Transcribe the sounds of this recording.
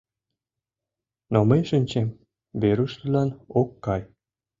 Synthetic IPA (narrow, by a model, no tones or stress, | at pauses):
noməjʃənʲt͡ɕem | βeɾuʃləlɑnokːɑj